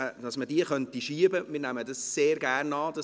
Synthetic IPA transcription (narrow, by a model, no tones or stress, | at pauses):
əd̥ɑsmədiəχœntiʃiːəbəmɪːɾnæmədɑsseːɾɡæːrnɑːdɑ